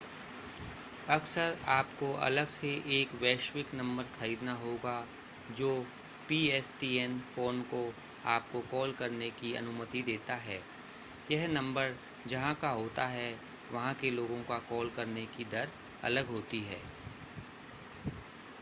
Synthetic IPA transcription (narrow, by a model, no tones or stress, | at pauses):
ɐksəɾaːpkoʔɐ̰ləɡseʔeːkʋɛːʃwɪknɐ̃mbəɾxɐɾiːd̪naɦoːɡa | d͡ʒoː | piːɛːsʈiːɛnfoːnko | aːp̚kokɔːlkɐɾnekiɐ̰nʊmət̪id̪eːt̪aɦɛː | jɛɦnɐ̃mbəɾ | d͡ʒɐɦãkaɦoːt̪aɦɛ | ʋɐɦãkeloːɡõkakɔːlkɐɾnekid̪ɐɾ | ɐ̰ləɡɦoːt̪iɦɛː